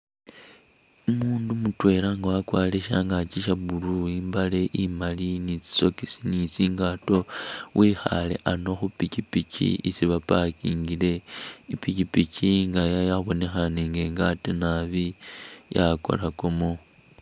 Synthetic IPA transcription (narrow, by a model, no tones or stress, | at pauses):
umuːndumutwe̞laŋɡawakwaːleʃaŋɡat͡ʃiʃaβuɾuimbale̞ʔimalinit͡si̥so̞kisinit͡siːŋɡato̞wʔiːxa̰le̞̰ʔano̞xupicipicḭisiβapakiːŋɡile̞ipicipiciŋɡajajaβo̞ne̞xaneːŋɡe̞ːŋɡatenaβijako̞̰lakomo